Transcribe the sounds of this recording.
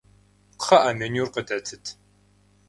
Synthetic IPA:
χɐʔamɨnuːrqədʰɐtʰɨtʰ

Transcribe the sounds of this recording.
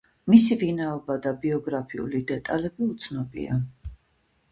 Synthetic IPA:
misivinaɔbad̪abiɔɡɾapʰiṵlid̪ɛt̪ʼalɛbiut̪sʰnɔbḭa̰

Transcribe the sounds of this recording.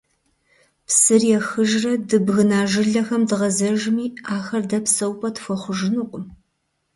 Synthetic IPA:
psɨrjɛxɨʒrɐdɨbɣɨnaːʒɨɮɐxɐmdɨʁɐzɐʒmiːaːxɐrdɐpsɐwpʼɐtfʷɐχʷʊʒɨnuqʷʼʊm

